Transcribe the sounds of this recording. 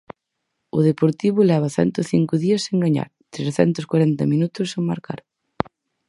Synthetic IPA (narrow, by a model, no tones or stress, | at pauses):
ʊðepoɾt̪iβʊlɛβ̞ɐθɛ̰nt̪ʊθiŋkʊðiɐseŋɡaɲa̰ɾ | t̪ɾesθɛnt̪ʊskwaɾɛnt̪ɐminut̪ʊsːeŋmaɾka̰ɾ